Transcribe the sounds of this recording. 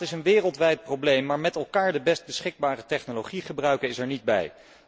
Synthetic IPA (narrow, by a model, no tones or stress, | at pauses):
ɪsənʋɪːrəlˠtʋɛjt̚prowblejmːaːɹmɛtɛlˠkaːɹdəbɛst̚bəsχɪɡ̚baːrətɛχnoloχiχəbrœɥkənɪsɛɹnid̚bɛ̰j